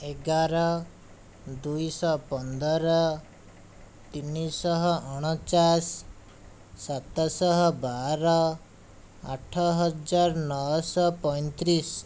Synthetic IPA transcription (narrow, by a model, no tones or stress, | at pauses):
eɡaɾɔ | d̪ujsɔpɔnd̪ɔɾɔ | t̪inisɔɦɔɔɽ̃ɔt͡ʃasː | at̪ɔsɔɦɔbaɾɔ | aʈʰɔɦɔd͡ʒaɾnɔwɔsɔpɔjnt̪ɾis